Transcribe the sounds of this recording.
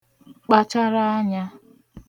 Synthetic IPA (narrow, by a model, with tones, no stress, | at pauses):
k͡pa˦t͡ʃa˦ɾa˦a˦ɲa˦